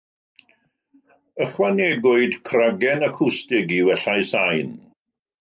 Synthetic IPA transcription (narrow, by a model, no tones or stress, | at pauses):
əχwanɛɡʊɨdkʰraɡɛnakʰʊstɪɡiwɛɬajsajn